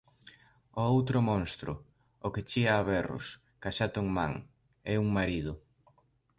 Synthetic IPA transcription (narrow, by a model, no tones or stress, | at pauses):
oowt̪ɾʊmõŋst̪ɾʊ̰ | okɪt͡ʃiaːβɛrʊ̰s | kaʃat̪oŋmaŋ | ɛuŋmaɾiðʊ